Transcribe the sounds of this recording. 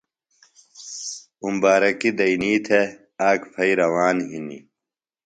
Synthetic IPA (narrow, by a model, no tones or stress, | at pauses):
umbaːɾɐkid̪ɐiniːt̪ʰe | aːkpʰɐiɾɐwaːnɦinḭ